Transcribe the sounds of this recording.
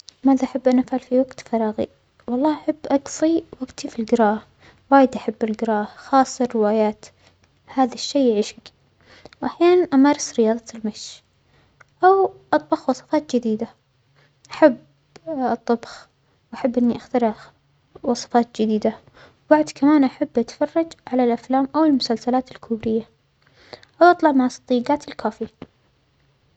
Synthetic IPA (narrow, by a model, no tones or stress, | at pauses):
maːðaʔaħabːʔanːʔafʕalfiwaɡt̪fɑɾˤɑːɣḭ | wɑlˤːɑːhʔaħabːʔɑɡsˤiwaɡt̪ifilɡɪɾɑːh | waːjɪd̪ʔaħabːɪlɡɪɾɑːhxɑːsˤːɑːɪwaːjaːt̪ | haːðaʃːejːʕiːʃak | wʔaħjaːnʔamɑːɾˤɑsɾɪjɑːðˤɑlmaʃ | ʔawʔɑt̪ˤbɑxwɑsˤɑ̥fɑːt̪d͡ʒɪd̪iːd̪a | ʔaħabː | ɨt̪ˤːɑbx | wʔaħabːʔɪnːiʔaxt̪ɑɾˤ | wɑsˤɑ̥fɑːt̪̚d͡ʒɪd̪iːd̪a | wbaʕd̪kʰamaːnʔaħabːʔat̪fɑrˤːɑd͡ʒʕalalʔaflaːmʔawɪlmʊsalsalaːt̪ɪlkʰʊːɾɪjːa | ʔawʔɑt̪ˤlɑʕmaʕɑsˤt̪ˤːiːɡaːt̪ɪlkʰaːfia